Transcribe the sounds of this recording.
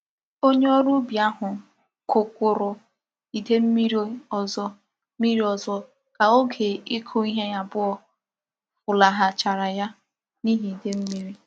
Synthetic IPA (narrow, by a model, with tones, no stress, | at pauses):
o˦ɲe˦ɔ˦ɾu˦bja˦ɦʊ˨ | kʊ˨kʷʊ˨ɾʊ˨ | i˨de˦m̩˦mi˦ɾɔ˨zɔ˦ | mi˦ɾi˦ɔ˨zɔ˦ | ka˨o˦ɡe˨i˦kʰu˦i˦ɦe˦ja˨bʊ˦ɔ˨ | fʊ˨la˨ɦa˨t͡ʃa˨ɾa˨ja˦ | ni˦ɦi˨i˨de˦m̩˦mi˦ɾi˦